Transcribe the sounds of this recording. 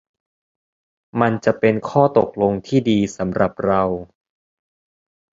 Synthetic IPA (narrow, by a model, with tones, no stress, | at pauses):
ma˧nt͡ɕa˨˩ʔpe˧nkʰɔː˥˩t̪o˨˩k̚lo˧ŋt̪ʰiː˥˩diː˧sa˩˦mɾa˨˩p̚ɾa˧w